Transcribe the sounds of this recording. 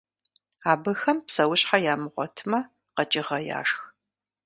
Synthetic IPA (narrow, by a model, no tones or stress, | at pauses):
aːbɨxɐmpsɐwʊɕʼħajaːmɨʁʷɔ̰tʰɨmɐ | qɐt͡ʃʼɪʁɐja̰ːʂx